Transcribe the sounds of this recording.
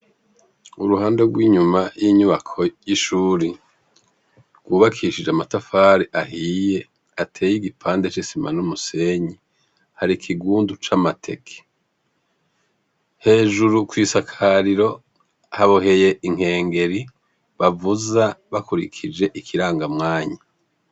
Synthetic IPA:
uɾuhaːndeɡwiːɲumajiɲuβakʰo̞jiʃuːɾi | ɡwuːβakʰiʃid͡ʒeamatafaːɾiʔahije̞ | atʰeːjiɡipʰaːndet͡ʃisima̰numuse̞ɲi | haɾikʰiɡuːndut͡ʃamatʰe̞̰kʰe̥ | he̞ːʒuɾukwiːsakʰaɾiɾo̞ | haβohe̞je̞ʔiŋ̥he̞ːŋɡe̞ɾi | βavuzaβakuɾikʰid͡ʒe̞ʔikʰiɾaːŋɡamŋaːɲa

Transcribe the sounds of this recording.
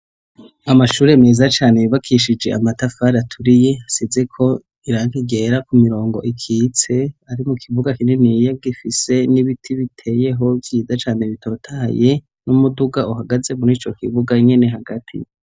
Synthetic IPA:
amaʃuːɾe̞meːzat͡ʃaːnejiβakʰiʃid͡ʒe̞ʔamatafaɾatʰuɾije̞asize̞kʰo̞ | iɾaːŋɡiɡe̞ːɾakumiɾo̞ːŋɡo̞̰ʔikʰiːt͡se̞aɾimukʰiβuɡakininijaɡifise̞niβitʰiβitʰe̞ːje̞ɦo̞vjiːzat͡ʃaːneβitʰo̞ːtʰaje̞ | numuduɡauɦaɡaze̞muɾiːt͡ʃo̞kiβuɡaɲe̞ne̞ɦaɡatʰḭ

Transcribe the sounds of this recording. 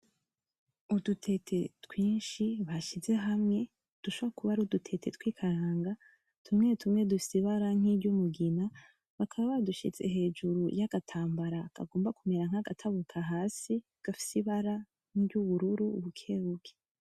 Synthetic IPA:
udutʰe̞tʰe̞twiːnʃiβaʃize̞ɦamŋe̞ | d̥uʃoβakuβaɾudutʰe̞te̞twiːkʰaɾaːŋɡa | tʰumŋe̞tʰumŋe̞dufi̥siβaɾaŋ̥ibɟumuɡina | βakʰaβaβaduʃḭze̞̰ɦe̞ːd͡ʒuɾujaɡ̥atʰaːmbaɾaka̰ɡo̞ːmbakumeɾaŋ̥haɡatʰaβukʰaɦaːsi | ɡ̥afi̥siβaɾa | n̥ibɟuβuɾuɾuβukʰe̞βuɡe̥

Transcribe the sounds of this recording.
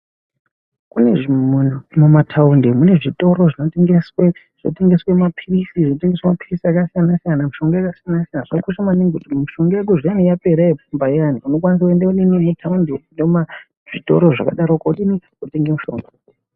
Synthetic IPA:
kuneʐimumatʰaundimune̞ʐito̞ɾo̞ʐino̞teŋɡeswe | ʐ̥no̰te̞ŋɡe̞swemapʰirisiʐinote̞ŋɡeswemapirisiakasijanasijanamuʃo̞ŋɡoakasijanasijanaʐakuʃamaniŋɡutumiʃo̞ŋɡojek̬uʐijanijape̞ɾajepumbaianiuno̞k̬wanis̬akuendauɗinimutʰaundinoma | ʐ̥ito̞ɾo̞ʐa̰kaɗaɾokouɗini | ute̞ŋɡemuʃo̞̰ŋɡo

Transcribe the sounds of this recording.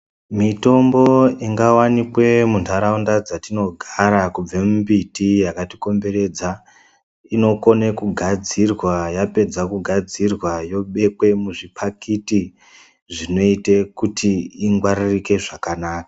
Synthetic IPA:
mito̞mbo̞iŋɡawanikwe̞muntaɾaundad͡zatino̞ɡʱaɾakub͡vemumbitijakatiko̞mbe̞ɾe̞d͡za | ino̞ko̞nekuɡʱad͡zirwajape̞d͡zakuɡʱad͡zirwajo̞ɓe̞kwe̞muʐipʰakiti | ʐino̞itekutʰiːŋɡwaɾirike̞ʐakanaːkḁ

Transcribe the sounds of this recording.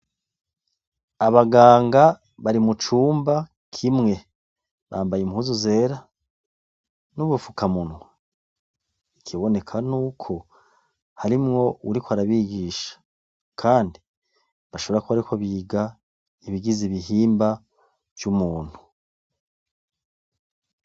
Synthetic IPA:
aβaɡaːŋɡa | βaɾimut͡ʃuːmba | kʰimŋe̞ | βa̰ːmbajemhuzuze̞ːɾa | nuβufu̥kamunwa | ikʰiβo̞ne̞kʰanuːkʰo̞ | haɾimŋo̞uɾikwaɾaβiɡiːʃḁ | kʰaːndi | βaʃo̞βeɾakuβaɾikoβiːɡa | iβiɡiziβiɦiːmba | vjumuːn̥hu

